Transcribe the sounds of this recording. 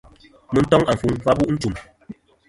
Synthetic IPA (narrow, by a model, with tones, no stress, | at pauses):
mɨ˨n̩˦tɔ˦ŋa˨fu˨ŋfa˦bu˦ʔn̩˦tu˨m